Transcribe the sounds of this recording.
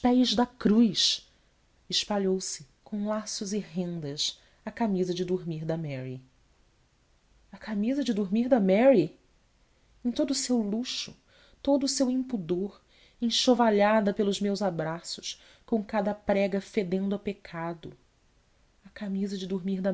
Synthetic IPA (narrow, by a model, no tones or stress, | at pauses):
ʃpɛjzd̪ɐkɾujʃ | ɪʃpaʎowsɪ | kʰõw̃lasʊzɪɦẽnd̪ɐʃ | ɐkamizɐd͡ʒɪd̪uɾmiɾd̪ɐmɛɾi | ɐkamizɐd͡ʒɪd̪uɾmiɾd̪ɐmɛɾi | ẽt̪od̪ʊsewluʃʊ | t̪od̪ʊːsewĩpud̪oɾ | ẽj̃ʃovaʎad̪ɐpelˠʊzmewzabɾasʊ̥ʃ | kõkad̪ɐpɾɛɡɐfed̪ẽnd̪ʊɐpekʰad̪ʊ | ɐkamizɐd͡ʒɪd̪uɾmiɾd̪ɐ